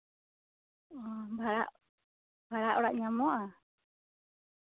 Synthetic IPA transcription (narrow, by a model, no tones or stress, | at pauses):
ombaɾa̰ʔ | mbaɾaʔoɾaʔɲãmoʔa